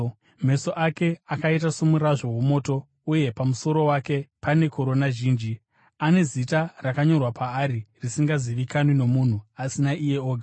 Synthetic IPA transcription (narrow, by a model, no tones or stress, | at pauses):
m̤e̞so̞ʔake̞akait̬asomuraʐo̞womo̞ːto̞ | uje̞pamuso̞ɾo̞wake̞pane̞ko̞ɾo̞naʒiːnd͡ʒi | ane̞zitarakaɲo̞rwapaːɾirisiŋɡaziʋikanwino̞mun̤uasinaʔije̞oːɡʱa